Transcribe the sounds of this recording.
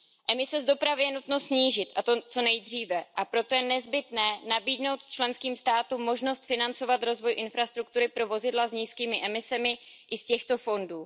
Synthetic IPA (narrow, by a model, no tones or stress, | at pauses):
ʔɛmɪsɛzdo̞pɾavɪjɛnut̪no̞sɲiːʒɪt̪ʔat̪ot͡so̞nɛjd̪r̝iːvɛʔapɾo̞t̪o̞jɛnɛzbɪt̪nɛːnabiːdno̞wt̪t͡ʃlɛnskiːmst̪aːt̪umːo̞ʒno̞st̪fɪnant͡so̞vat̪ɾo̞zvo̞jʔɪnfɾast̪ɾuk̚t̪uɾɪpɾo̞vo̞zɪdlazɲiːskiːmɪʔɛmɪsɛmɪ | ʔɪscɛxt̪o̞fo̞nduː